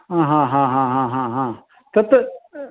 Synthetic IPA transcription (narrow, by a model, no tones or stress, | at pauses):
ɦãɦãːɦãɦãɦãɦãɦã | t̪ɐt̪